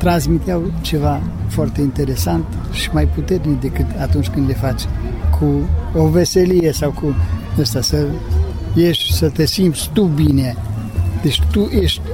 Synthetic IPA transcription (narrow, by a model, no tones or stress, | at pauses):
t̪ɾãns̬mit̪jawt͡ʃəva | fɔɾt̪ɛint̪ɛɾɛsant̪əʃmajput̪ɛt̪nid̪ikət̪at̪unt͡ʃkənlɛfat͡ʃkʰuɔvɛseliɛsawkunəst̪asə | jɛʃsət̪ɛsimbst̪ubinjɛ | d̪iʃt̪uʔɛʃt̪